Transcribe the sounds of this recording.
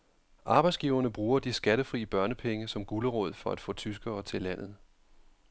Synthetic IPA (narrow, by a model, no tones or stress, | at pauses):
ʔɑ̈ːb̥ɑ̈ɪdsɡ̥iʊɐnəb̥ʁuːɐd̥isɡ̥æɾəfʁḭːəb̥ɶɐnəpʰeŋəsɒ̽mɡ̥uləʁɔ̰ːð̞̰ˠfɒ̽æd̥fɔ̰̽ːt͡sʰysɡ̥ɐːt͡sʰe̝læn̰ð̞̩ˠ